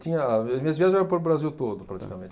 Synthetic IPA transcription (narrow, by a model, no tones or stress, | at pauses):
t͡ʃ̪ĩɲɐmĩɲɐzviaʒẽɛɐ̃pɐɾ̃ʊbɾaziwt̪od̪ʊpɾat͡ʃi̥kamẽt͡ʃ